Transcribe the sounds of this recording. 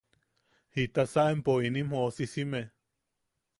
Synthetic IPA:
hit̪asaʔempoinim̥hoʔosisime

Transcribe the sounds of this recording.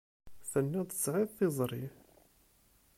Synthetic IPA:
θənːæd̪sʕɪðˤθɪzˤɾˤi

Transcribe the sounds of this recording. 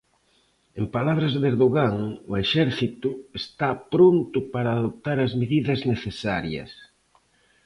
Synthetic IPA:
empalaβɾɐzðeɾðoɣaŋʊeʃɛɾθit̪ʊest̪apɾont̪ʊpaɾaːðop̚t̪aɾɐzmeðiðɐzneθesaɾjɐ̰s

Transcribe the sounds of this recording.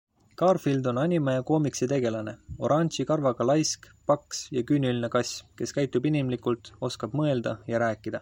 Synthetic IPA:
kɑːrfild̪o̞nɑnʲimɑjɑko̞ːmiksit̪e̞ɡ̥e̞lɑne̞o̞̰ɾʔɑnʲsikɑrvɑɡ̥ɑlɑjsk | pɑksjɑkynʲylinekɑsʲke̞skæjt̪ːˑubinimlikult̪ˑo̞skɑb̥mɤe̞ld̪ɑjɑɾæːkːˑid̪̥ɑ

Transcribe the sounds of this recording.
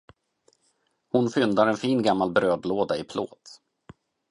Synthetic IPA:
hʊnfʏnd̪aɾɛnfiːnɡamːalbɾøːd̪loːd̪aɪpʰlo̰ːt̪

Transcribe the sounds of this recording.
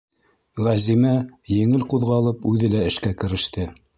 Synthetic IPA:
ʁæzimæjɘ̆ŋɘlquðʁɑlˠɤpʉðɘlæɘ̆ʃkækɘ̆ɾɘ̆ʃt̪ɘ

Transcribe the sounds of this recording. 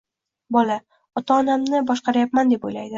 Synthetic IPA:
bɒla | ɒt̪aːnamnɪbɒʃqɑɾajapmand̪e̞po̰jlajd̪ɪ

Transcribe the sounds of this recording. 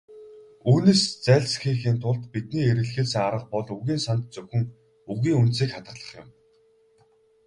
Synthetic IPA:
uːneːst͡sæːɮsxiːxiːnt̪ʰʊɮt̪pit̪̚niːeɾɘ̆ɮxeːsɘ̆ŋaɾə̆q̚pɔɮɵɣʲiːnsant̪̚t͡sɵwxɘ̆ŋ | uɣiːŋunt̪siːkχat̪ə̆ɮə̥̆χjɪ̰m

